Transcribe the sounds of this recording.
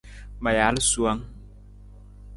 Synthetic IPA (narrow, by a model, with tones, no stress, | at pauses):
ma˨ja˨˦lsu˦a˦ŋ